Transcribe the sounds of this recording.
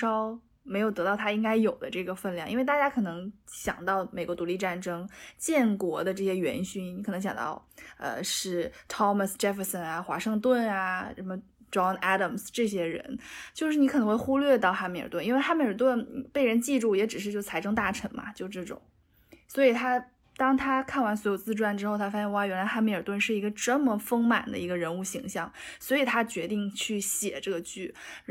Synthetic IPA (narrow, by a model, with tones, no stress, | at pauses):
ʂɑ˥ʊ | me˧˥ɪjo˨˩ʊt̪ɤ˧˥t̪ɑ˥˩ʊt̪ʰa˥i˥ŋka˥ɪjo˨˩ʊd̪ə̰˦ʈ͡ʂɤ˥˩ɡə˩fə˥˧nljɑ˥˩ŋi˥nwe˥˧ɪt̪a˥˧t͡ɕja˥kʰɤ˨˩nɤ˧˥ŋɕjɑ̰˨˩ŋt̪ɑ˥˩ʊme˨˩ɪkwɔ˧˥t̪u˧˥li˥˧ʈ͡ʂa˥˩nʈ͡ʂɤ˥ŋt͡ɕjɛ˥˩nkwɔ˧˥d̪ə˧ʈ͡ʂɤ˥˩ɕjɛ˥ɥɛ̰˧˥nɕy˥nni˧˥kʰn˧˥ŋɕjɑ̰˨˩ŋt̪ɑ̰˥˧ʊə̰˧ʂɻ̩˥˩t̪ʰɑ˥mə˨˩sʈ͡ʂɛ˥fə˧sə˩na˩xwa̰˧˥ʂɤ˥˧ŋt̪̬wə˥˩na˩ə˧˥nmə˧ | ʈ͡ʂɑ˥na˥ɾə˩msʈ͡ʂɤ˥˩ɕ̬jɛ˥ɻə̰˧˥nt͡ɕjo˥˧ʊʂɻ̩˥˩ni˧˥k̪ʰɤ˧˥xwe˥˩xu˥lɥɛ˥˧t̪ɑ˥˩ʊxa˥me˧˥ɪə̰˨˩t̪wni˥nwe˥˩˧xa˥me˥ɪə˞˨˩t̪wə˥˧npe˥˩ɪɻə˧˥nt͡ɕi˥˧ʈ͡ʂu˥˩jɛ˧˥ʈ͡ʂɻ̩˨˩ʂɻ̩˥˧jo˥˩ʊt͡sʰa˧˥ɪʈ͡ʂɤ˥ŋt̪a˥˩ʈ͡ʂʰə˧˥nmɐ̰˧t͡ɕjo˥˧ʊʈ͡ʂɤ˥˩ʈ͡ʂʊ̰˨˩˦ŋ | swɔ˧˥i˨˩t̪ʰa˥ | t̪ɑ˥ŋt̪ʰa˥kʰa˥˩nwa˧˥nswɔ˧˥jo˨˩ʊt͡sɹ̩˥˧ʈ͡ʂwa˥˩nʈ͡ʂɻ̩˥xo˥˧ʊt̪ʰa˥fa˥ɕɛ˥˩nwa˥ɥɛ˧˥nla˧˥ɪxa˥m˧˥ə˞˨˩t̪wə˥˧nʂɻ̩˥˩i˧˥ɡə˧ʈ͡ʂə˥˩mə˨˩fɤ˥ŋma˨˩nd̪ə̰˦i˧˥ɡə˧ɻə˧˥nu˥˩ɕi˧˥ŋɕjɑ˥˩ŋswɔ˧˥i˨˩t̪ʰa˥t͡ɕɥɛ˧˥t̪i˥˧ŋt͡ɕʰy˥˩ɕjɛ̰˨˩ʈ͡ʂɤ˥˩ɡə˩t͡ɕy˥˩